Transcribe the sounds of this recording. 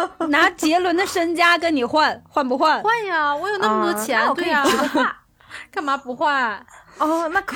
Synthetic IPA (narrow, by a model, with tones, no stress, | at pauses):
na˧˥t͡ɕjɛ˧˥lwə˧˥nd̪ə˧ʂə˥nt͡ɕja˥kə˥nni˨˩xwa˥˩nxwa˥˩npu˧˥xwa˥˩nxwa˥˩nɐ˨˩wɔ˧˥jo˨˩ʊna˥˩mə˩t̪wɔ˥t͡ɕʰjɛ˧˥nwe˥˩ɐ˨˥ | ka˥˩nma˧˥pu˧˥xwa˥˩nɔ˥˩na˥˩